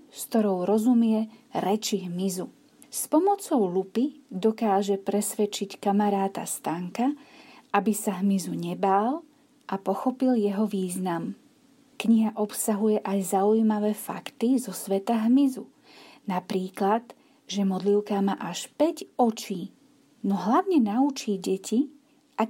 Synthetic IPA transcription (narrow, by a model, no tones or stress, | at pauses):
skt̪ɔɾɔʊɾɔzumɪɛɾɛt͡ʃiɦmizu | spɔmɔt͡sɔʊlupid̪ɔkaːʒɛpɾɛsʋɛt͡ʃickamaɾaːt̪a̰st̪aːŋkaʔabisaɦmizuɲɛbaːl | ʔapɔxɔpiljɛɦɔʋiːznam | kɲiɦaʔɔpsaɦujɛʔajzaujmaʋɛːfa̰kt̪izɔsʋɛt̪aɦmizu | napɾiːklad̪ | ʒɛmɔd̪liʊkamaːʔaʃpɛɟɔt͡ʃiː | nɔɦlaʊɲɛnaut͡ʃiːɟɛci | ʔa